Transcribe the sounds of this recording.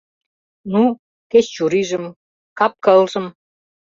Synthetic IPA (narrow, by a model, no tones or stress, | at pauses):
nu | keɕt͡ɕuɾiʒə̆m | kɑp̚kəlʒə̆m